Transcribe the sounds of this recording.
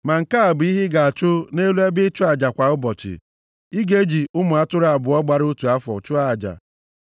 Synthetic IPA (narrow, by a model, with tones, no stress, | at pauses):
ma˨ŋ̩˨ka˦a˨bʊ˨˦i˦ɦɪ˦ɡa˨a˨t͡ʃʊ˦ne˦lu˦e˦bɪ˦t͡ʃʊ˦a˨d͡ʒa˨kʷa˨ʊ˦bɔ˨t͡ʃɪ̰˨ | i˦ɡe˦d͡ʒi˨ʊ˦mʊ˨a˦tʊ˦ɾa˨bʊ˨ɔ˦ɡ͡ba˨ɾu˦tu˨a˦fɔ̰˨t͡ʃʊ˦a˦˨d͡ʒa̰˨